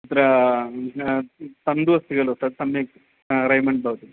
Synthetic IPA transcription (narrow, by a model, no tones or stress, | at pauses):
it̪ɐɾɐ | t̪ɐnd̪uʋɐst̪iɡɐɭot̪ɐsɐmːek | ɾɐjmɐɳɖ̚bɐʋt̪i